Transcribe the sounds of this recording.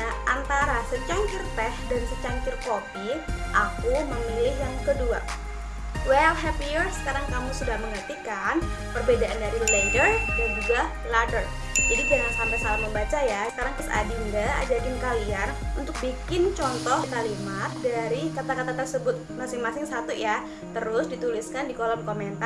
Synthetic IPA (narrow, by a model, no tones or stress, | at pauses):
aʔant̪aɾasət͡ʃaŋkɪrpɛhdansət͡ʃaŋkɪrkopiʔakuməmilɪɦjaŋkədua̰ | wɛlɦɛfijirsə̥kaɾaŋkamusudahməŋərt̪ikan | pərbedaʔandaɾilɛŋɡərdand͡ʒuɡa | latər | d͡ʒadid͡ʒaŋansampajsalahməmbat͡ʃajasə̥kaɾaŋkʊsa̰diŋdaa̰d͡ʒadɪnkalianunt̪ʊk̚bikɪnt͡ʃɔnt̪ɔhk̪alimat̪̚daɾikat̪akat̪at̪ərsəbʊt̪̚masɪŋmasɪŋsat̪uja | t̪əɾʊsdit̪ulɪskandikolɔmkoment̪a